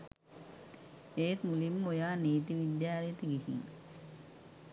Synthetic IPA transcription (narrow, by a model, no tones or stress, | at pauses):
eːt̪mulimojaːneːt̪̬iʋid̪jaːɾijət̪əɡiɦḭŋ